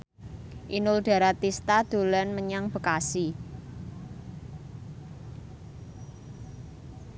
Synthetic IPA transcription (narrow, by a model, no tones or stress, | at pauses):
ʔinʊlɖ̪̥a̤ɾat̪ist̪ad̪̥o̤lanməɲaŋb̥ə̤kasi